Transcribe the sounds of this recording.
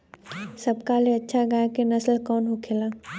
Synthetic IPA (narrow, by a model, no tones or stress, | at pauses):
sɐbkaleɐtːʃʰaɡakenɐslkɔːnɦokʰelaː